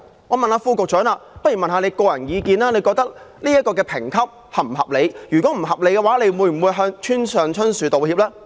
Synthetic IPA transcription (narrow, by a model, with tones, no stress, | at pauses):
ŋɔː˨˧mɐ˨nlaː˨˧fuː˧kʊ˨k̚t͡ʃœː˨˥ŋaː˧pɐ˥t̚jy˨˩mɐ˨nɦaː˧ne˨˧jkɔː˧jɐ˨˩njiː˨˧kiː˧naː˥ne˨˧jkɔː˧k̚t̪ɐ˥k̚liː˥jɐ˥t̚kɔː˧k̬ɛː˧pʰɪ˨˩ŋkʰɐ˥p̚ | hɐ˨m̩˨˩ɦɐ̰˨p̚le˨˧jjy˨˩kɔː˨˦˥m̩˨˩hɐ˨p̚le˨˧jkɛː˧waː˨˥le˨˧jwuː˨˧jm̩˨˩wuː˨˧jɦœː˧ŋt͡ʃʰyː˥nsœː˨ŋt͡ʃʰɵ˥nsyː˨˧t̪o˨whiː˧p̚lɛː˥